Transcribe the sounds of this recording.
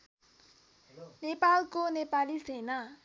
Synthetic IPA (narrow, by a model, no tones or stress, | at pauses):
nepalkonepalisena